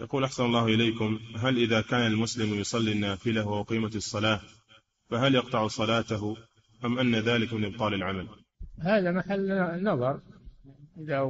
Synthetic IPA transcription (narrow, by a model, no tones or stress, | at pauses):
jɑquːlʔaħsanɑlˤːɑːhʔɪlejkʊmɦalʔɪðakaːnalmʊslɪmjʊsˤɑlːinːaːfɪlawaʔʊqiːmasˤːɑlaː | faɦaljɑq̚t̪ˤɑʕsˤɑlaːt̪ah | ʔamʔanːaðaːlɪkmɪnʔɨb̚t̪ˤɑːlɪlʕamal | haːðamaħalːnːɑðˤɑɾˤ | ʔɪða